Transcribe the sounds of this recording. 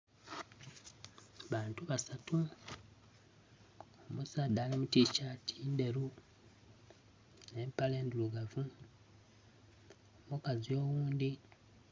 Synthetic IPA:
βaːntuβasatu | omusaːd̪aːlimutiːcatʰiːnde̞ɾu | ne̞ːmpale̞ːnduluɡavu | omukazio̞ːɣuːnd̪i

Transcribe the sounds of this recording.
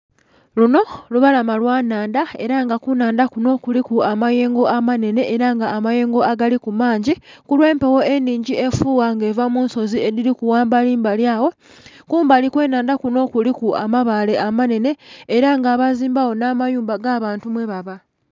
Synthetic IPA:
luno̞luβalamalwaːnaːndae̞̰ɾaŋɡakunaːndakuno̞ːkulikuamaje̞ːŋɡo̞ʔamane̞ne̞ʔːɾaŋɡaːmaje̞ːŋɡo̞aɡalikumaːɲɟikulwe̞ːmpewo̞e̞nːiːɲɟie̞fuːwaŋɡe̞ːvamuːnso̞zie̞ðiɾikuwaːmbaliːmbaljaːwo̞ | kuːmbalikwe̞ːnaːndakuno̞ːkulikua̰maβale̞ʔamane̞ne̞ːɾaŋɡaːβaziːmbawo̞namajuːmbaɡaːβaːntumwe̞βaβa

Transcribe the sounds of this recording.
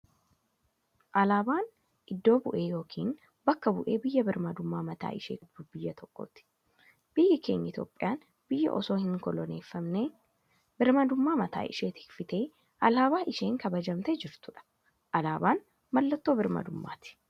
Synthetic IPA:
ʔɐlaːbaːn | ʔɪd̪ːo̞ːbʊʔe̞ːjo̞ːkʰiːn | bɐkːɐbʊ̰ʔe̞ːbɪjːɐbɪɾmɐd̪ʊmːaːmɐt̪a̰ːɪʃeːd̪ʊbɪjːɐt̪ʰɔkːo̰t̪ɪ̥ | b̥ɪjːɐkʰe̞̰ːɲːɐɪt̪joːpʼːɪjaːn | b̥ɪjːɐ̰ʔɔsoːhɪŋkɔlɔne̞ːfːɐmneː | bɪɾmɐd̪ʊmːaːmɐt̪a̰ːʔɪ̰ʃeːt̪ɪ̥kfɪt̪eː | ʔɐlaːbaːʔɪʃe̞ːŋkɐbɐd͡ʒɐmt̪ɛd͡ʒɪɾt̪ʊᶑɐ̥ | ʔɐlaːbaːn | mɐlːɐt̪ːo̞ːbɪɾmɐ̰d̪ʊmːa̰ːt̪ɪ̥

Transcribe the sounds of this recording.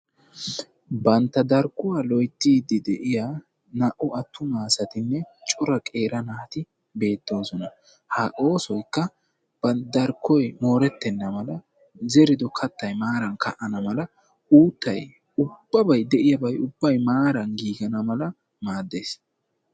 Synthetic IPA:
bɐnt̪ːɐd̪ɐɾkːʊwalɔjt̪ːiːd̪ɪd̪ɛʔɪjaː | nɐʔʊɐt̪ːʊmaːsɐt̪ɪnːɛt͡ʃʼɔɾɐkʼe̞ːɾɐnat̪ɪ | be̞ːt̪ːo̞ːsɔnɐ | haːʔo̞ːsɔjkːɐ | bɐd̪ɐɾkːɔjmo̞ːɾɛt̪ːɛnːɐmɐlɐ | zɛɾɪd̪ɔkʰɐt̪ːɐjmaːɾɐnkʰɐʔɐnɐmɐlɐ | uːt̪ːɐj | ʊb̥ːɐbɐjd̪ɛʔɪjɐbɐjʊbːɐjmaːɾɐnɡiːɡɐnɐmɐlɐ | maːd̪ːeːs

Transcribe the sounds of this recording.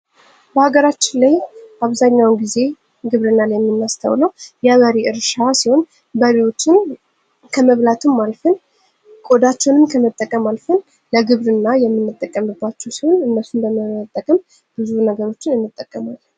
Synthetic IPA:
bəhaɡəɾat͡ʃːɪnlajaβzaɲːawnɡize̞ | ɡɨβɾɨnːaljɛmːɨnːast̪ʰə̰wləwjɛβəɾiʔɨɾʃasiho̞n | bəɾiwo̞t͡ʃːɪn | kʰəməβlat̪ʰɨmːalfɨn | kʼod̪at͡ʃːɛwnɨmkʰəmət̪ʼːəkʼːəmalfɨn | ləɡɨβɾɨnːajɛmːɨnːɨt̪ʼːəkʼːəmɨbːat͡ʃːɛwsiho̞nɨnːəsːumbəməət̪ʼːəkʼəm | b̥ɨzunəɡəɾo̞t͡ʃːɪnɨnːɨt̪ʼːəkʼːəmal

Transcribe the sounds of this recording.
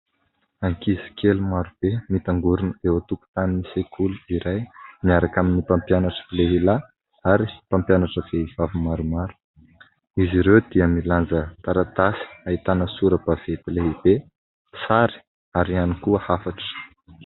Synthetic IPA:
aŋkizi̥kʰelumaɾub̥emit̪aŋɡuɾunəewat̪uku̥t̪aninisekʰuluiɾajmiaɾakaminipampjanaʈ͡ʂə̥ileɦila | aɾi̥pampjanaʈ͡ʂəv̥eivavimaɾumaɾu̥ | iziɾewd̪̥iəmiland͡zət̪aɾat̪asi̥ait̪anəsuɾəb̥av̥et̪ileɦib̥e | saɾi̥ | aɾianikuəhafaʈ͡ʂə̥

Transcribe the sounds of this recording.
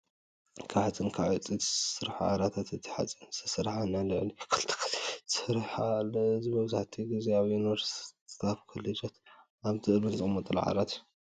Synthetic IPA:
kʰaħat͡sʼɨnkʰaʕɐt͡sʼit̪sɨɾħa̰ʕa̰ɾat̪ʰat̪ʰɨt̪ʰi̥ħa̰t͡sʼɨnsʰɐsɨɾħanalɨʕlikʰɨlt̪ʰɨ̥k̪ʰsɨɾħalzibɐβzaħt̪ʰiɡizeaβinoɾst̪ʰafkʰɐlɐd͡ʒot̪ | aβzʰɨlmɨnzɨmot̪ʼul̰ʕa̰ɾat̪ju

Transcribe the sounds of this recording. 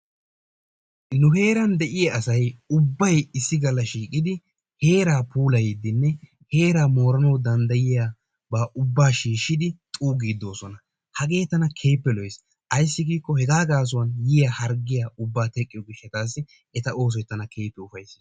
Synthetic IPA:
nʊɦe̞ːɾɐnd̪ɛʔɪjɐɐsɐjʊbːɐjɪsːɪɡɐlːɐʃiːkʼɪd̪ɪ | he̞ːɾaːpʰuːlɐjid̪ɪnːɛ | he̞ːɾaːmo̞ːɾɐnɐwd̪ɐnd̪ɐjɪjaː | baːʔʊbːaːʃiːʃːɪd̪ɪt̪ʼuːɡiːd̪ːo̞ːsɔnɐ | hɐɡe̞ːt̪ːɐnɐkʰe̞ːpːɛlɔjs | ʔɐjsːɪɡiːkːɔhɛɡaːɡaːs̬ʊwɐnjɪjɐhɐɾɡɪjaːʔʊbːaːt̪ɛkʼːɪjɔɡɪʃːɐt̪aːs̬ːɪ | ɛt̪ɐʔo̞ːs̬ɔjt̪ːɐnɐkʰe̞ːpːɛʊfɐjs

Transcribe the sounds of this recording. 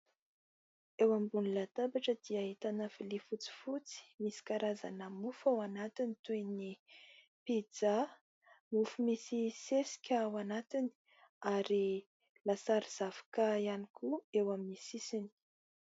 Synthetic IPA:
ewambunilat̪abaʈ͡ʂəd̪iaɦit̪anafilifut͡si̥fut͡si̥misi̥kaɾaza̰nəmufawanat̪init̪eni | pid͡za | mufumisisesi̥kʲawanat̪ini̥ | aɾi | lasaɾiz̥av̥ḁkaianikʰuewaminisisini̥

